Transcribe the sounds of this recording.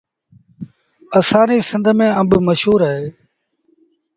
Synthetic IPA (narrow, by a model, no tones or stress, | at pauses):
əsãːniːsə̃nd̪ʱmẽːəmbməʃɦuːɾaːɦeː